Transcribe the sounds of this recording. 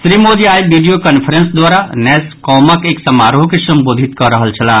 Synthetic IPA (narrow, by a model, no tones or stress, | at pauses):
sɾimod͡ʒ̪iajbiɖijokənpʰəɾensd̪waɾanɛskɔməkeksəmaɾɦokesəmbod̪ʱit̪kəɾəɦəlt͡ʃʰəla